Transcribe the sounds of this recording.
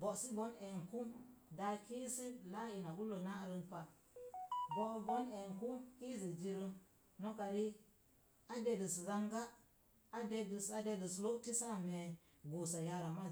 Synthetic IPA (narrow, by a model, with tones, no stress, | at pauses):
bo˨ʔsi˦bo˦ne˨ŋku˦da˧ki˦si˦la˦ji˨na˨ɡu˦lo˨na˦˨ɾi˧npa˨ | bo˦bo˦ne˨ŋku˦ki˦zi˨d͡ʒi˧ɾi˦ | no˦ka˨ɾi˦ | a˦de˦di˨si˨za˦ŋɡa˦ | a˦de˧di˨sa˨˦de˧di˨slo˦ti˦sa˦˨me˨ | ɡo˨sa˨ja˧ɾa˨ma˦